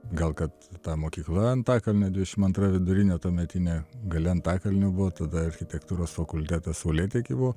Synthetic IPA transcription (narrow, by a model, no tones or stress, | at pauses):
ɡɐlˠkɐt̪t̪ːɑːmoːkʲiːklˠɐɐnt̪ɑːkɐlʲnʲɛd̪ʲʋʲɪd̪ʲɛʃʲɪmɐnt̪ɾɐʋʲɪd̪ʊɾʲɪnʲɛt̪oːmʲɛt̪ʲɪnʲɛɡɐlʲɛɐnt̪ɑːkɐlʲnʲɛbʊʋoːt̪ɐd̪ɐɐɾʲxʲɪt̪ʲɛkt̪uːɾoːsfɐkʊlʲt̪ʲæːt̪ɐsɐʊlʲeːt̪ʲekʲɪbuʋoː